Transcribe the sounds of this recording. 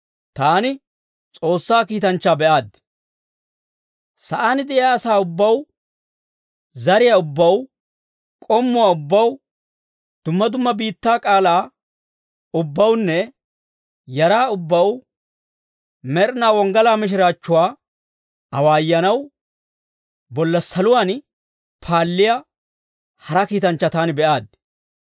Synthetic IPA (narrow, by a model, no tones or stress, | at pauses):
t̪aːnɪ | t͡sʼo̞ːsːaːkiːt̪ɐnt͡ʃːaːbɛʔaːd̪ | sɐʔaːnɪd̪ɛɪjaːsaːʊbːɐw | zɐɾɪjaʊbːɐw | kʼɔmːʊwaːʊbːɐw | d̪̥ʊmːɐd̪ʊmːɐbiːt̪ːaːkʼaːlaː | ʊbːɐwnːɛ | jɐɾaːʊbːɐw | mɛɾnaːwɔŋɡɐlaːmɪʃ̬ɪɾaːt͡ʃːʊwaː | ɐwaːjːɐnɐw | bɔlːɐsɐlʊwaːn | pʰaːlːɪjɐ | hɐɾɐkiːt̪ɐnt͡ʃːɐt̪aːnɪbɛʔaːd̪̚